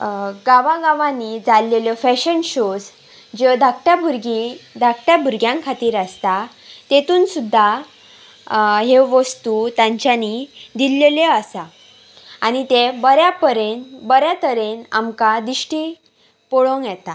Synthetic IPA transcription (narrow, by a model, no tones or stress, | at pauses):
ɡaʋaɡaʋãnid͡zalːeljɔfɛɕənɕod͡z | d͡ʑəd̪ʱakʈabʱuɾɡid̪ʱakʈjabʱuɾɡjãŋkʰat̪iːɾast̪a | t̪et̪uːnsud̪ʱːa | ɦeʋəst̪ut̪ãɲt͡ɕjanid̪ilːeljəasa | añit̪ebəɾjapəɾenbəɾjat̪əɾena̰mkad̪iɕʈi | pɔɭoŋɡjɛt̪a